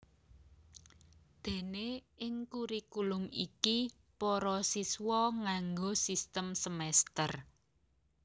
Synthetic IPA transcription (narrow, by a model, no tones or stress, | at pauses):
d̪̥e̤neɪŋkuɾikulʊmḭki | pɔɾɔsiswɔŋaŋɡosist̪əmsəmɛst̪ər